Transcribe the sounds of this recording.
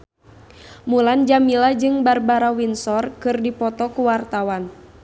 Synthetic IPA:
muland͡ʒamilad͡ʒɨŋbarbaɾawinsɔrkɨrdipɔt̪ɔkuwart̪awan

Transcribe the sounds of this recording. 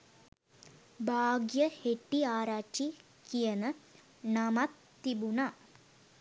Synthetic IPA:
bʱaːɡjɐheʈːiaːɾaːt͡ʃi | kːijɐnɨ | nɐmɐt̪ː | ibunɐ

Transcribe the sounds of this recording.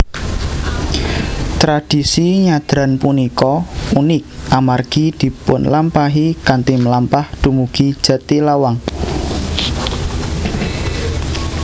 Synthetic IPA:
t̪ɾad̥i̤siɲad̪̥ɾa̤npunikɔunɪk̚ʔamarɡ̥id̪̥i̤pʊnlampaɦikant̪iməlampahd̪̥ṳmuɡ̥id̥ʒ̥a̤t̪ilawaŋ

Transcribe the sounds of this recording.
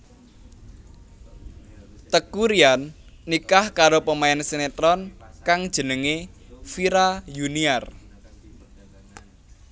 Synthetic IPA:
t̪əkuɾianː | ikahkaɾopəmaɛnsenet̪ɾɔnkaŋd̥ʒ̥ə̤nəŋefiɾajuniar

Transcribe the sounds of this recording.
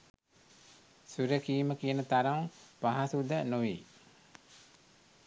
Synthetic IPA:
suɾəkiːməkijənət̪aɾaŋpaɦasud̪ənuʋḭ

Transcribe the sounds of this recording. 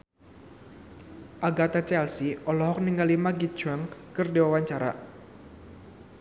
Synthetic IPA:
ʔaɡat̪at͡ʃɛlsiʔɔlɔɦɔk̚niŋɡalimaɡit̚d͡ʒ̥uaŋkərdewawaɲt͡ʃaɾa̰

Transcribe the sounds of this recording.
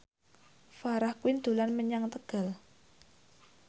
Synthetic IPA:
faɾahkuwɪnd̪̥ṳlanməɲaŋt̪əɡ̥a̤l

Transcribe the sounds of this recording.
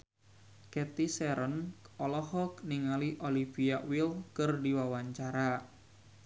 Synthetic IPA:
kɛt̪isɛɾənɔlɔɦɔkniŋaliʔoliviawilkərdiwawaɲt͡ʃaɾa

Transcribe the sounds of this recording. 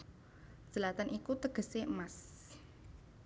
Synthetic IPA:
ʒ̥əlat̪anʔikut̪əɡ̥ə̤seəmas

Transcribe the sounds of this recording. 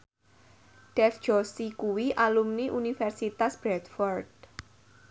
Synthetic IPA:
ɖ̥ɛfd̥d͡ʒ̥ɔsikuwiʔalumniʔunifɛrsit̪asb̥ɾɛd̪fɔrd̪̚

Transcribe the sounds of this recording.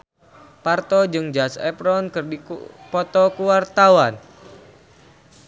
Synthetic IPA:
part̪ɔd͡ʒɨŋd͡ʒasɛ̰pɾɔnkɨrdipɔt̪ɔkuwart̪awan

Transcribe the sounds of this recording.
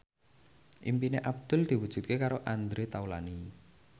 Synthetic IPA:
ʔḭmpineʔab̚d̪̥ʊ̤ld̪̥i̤wud̥ʒ̥ṳt̪̚kekaɾoʔand̪ɾet̪aula̰ni

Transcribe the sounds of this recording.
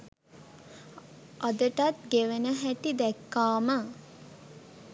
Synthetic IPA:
ad̪əʈat̪̚ɡeʋənəɦæʈid̪ɛkːaːmə

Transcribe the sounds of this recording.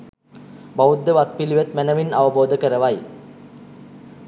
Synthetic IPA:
bawud̪ːəʋat̪̚piliʋet̪mænɐʋinaʋɐboːd̪ʱəkəɾəʋaj

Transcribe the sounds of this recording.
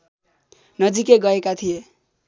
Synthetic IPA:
nʌd͡zikeɡʌekat̪ʰije

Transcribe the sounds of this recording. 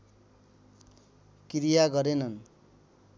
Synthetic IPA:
kɾijaɡʌɾenʌn

